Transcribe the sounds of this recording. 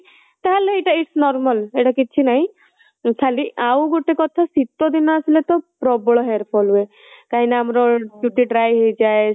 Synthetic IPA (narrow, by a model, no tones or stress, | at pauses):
t̪aɦaleeʈaiʈsnɔɾmaleʈakit͡ʃʰinaɦĩ | kʰaliʔawɡoʈekɔt̪ʰasit̪ːɔd̪inɔasilet̪ɔpɾɔbɔɭɔɦeɾpʰɔlue | kaɦinaːmɾɔd͡ʒuʈiɖɾajɦed͡ʒae